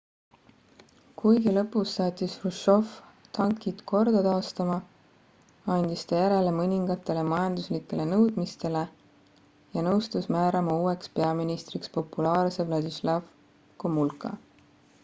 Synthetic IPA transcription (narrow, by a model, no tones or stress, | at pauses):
kujɡilɤ̞pːˑusːɑːt̪ʲːisruʃo̞ft̪ɑŋkːˑit̪kʰo̞rd̪̥ɑt̪ɑːst̪ɑmɑ | ɑnʲd̪̥ist̪ɑjæɾe̞le̞mɤnʲiŋɡ̥ɑt̪ːˑe̞lemɑjɑnd̪̥uslikːˑe̞le̞nɤwd̪mist̪e̞le̞ | jɑnɤwst̪usmæːɾɑmɑuːe̞kspe̞ɑminist̪rikspo̞pːulɑːrse̞vlɑd̪islɑv | komulkːˑɑ̰